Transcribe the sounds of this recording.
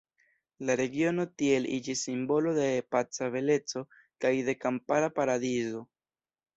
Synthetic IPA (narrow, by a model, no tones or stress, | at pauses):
laɾe̞ɡio̞no̞tie̞lʔid͡ʒisːimbo̞lo̞de̞pat͡save̞le̞t͡so̞ | kajde̞kampaɾapaɾadizo̞